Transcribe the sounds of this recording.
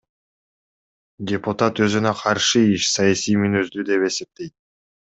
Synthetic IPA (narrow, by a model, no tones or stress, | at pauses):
dʲepʊt̪at̪ø̞zynøqʰɑɾʃɯiʃsɑjasijmynøzd̪yd̪e̞pe̞se̞p̚t̪e̞jt̪̚